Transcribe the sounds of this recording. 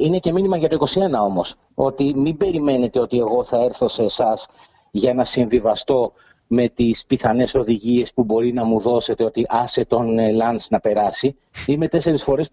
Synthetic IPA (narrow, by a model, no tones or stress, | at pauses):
ine̞ce̞minimɐʝɐt̪o̞iko̞sie̞nɐo̞mo̞s | o̞t̪imimbe̞ɾime̞ne̞t̪e̞o̞t̪ie̞ɣo̞θɐe̞ɾθo̞seːsɐs | ʝɐnɐsiɱvivɐst̪o̞ | me̞t̪ispiθɐne̞so̞ðiʝie̞spubo̞ɾinɐmuðo̞se̞t̪eo̞t̪iʔɐset̪o̞nlɐnsnɐpe̞ɾɐsi | ime̞t̪e̞se̞ɾisfo̞ɾes